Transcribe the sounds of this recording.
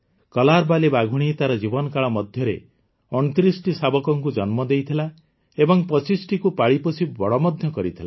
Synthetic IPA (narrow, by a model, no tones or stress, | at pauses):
kɔlaɾbalibaɡʱuɽ̃it̪aɾɔd͡ʒibɔnɔkaɭɔmɔd̪ʱjɔɾe | ɔnt̪ɾisʈisabɔkɔŋkud͡ʒɔnmɔd̪ejt̪ʰila | ebɔŋpɔt͡ʃisʈikupaɭipɔsʰibɔɭɔmɔd̪ʱjɔkɔɾit̪ʰila